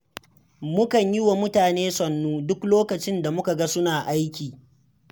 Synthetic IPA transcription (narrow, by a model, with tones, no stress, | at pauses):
mʊ˦kɐ˨ɲjɪ˦wa˨mʊ˦taː˨neː˦sɔ˨nːuː˦dʊ˦kloː˦kɐ˨t͡ʃɪ˦nda˨mʊ˦ka˨ɡa˦sʊ˦naː˨ʔa˦jkʲiː˨